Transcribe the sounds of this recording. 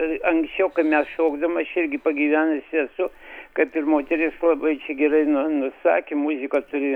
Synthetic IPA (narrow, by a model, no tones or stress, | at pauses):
ɐŋksʲt͡ʃʲɛʊkɐɪmʲɛsʃoːɡd̪ɐmɐɐʃɪɾʲɡʲɪpɐɡʲiːʋʲæːnɐsʲɛsʊkɐɪpɪrmoːt̪ʲɛɾʲɪslˠɐbɐɪt͡ʃʲɛɡʲɛrɐɪnʊnʊsɑ̰ːkʲemʊzʲɪkɐt̪ʊɾʲɪ